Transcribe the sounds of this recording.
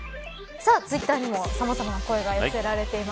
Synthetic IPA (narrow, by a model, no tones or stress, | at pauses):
sat͡sɨit̪ːaːɲ̟imo̞samozamanako̞e̞ɡajose̞ɾaɾe̞t̪e̞ima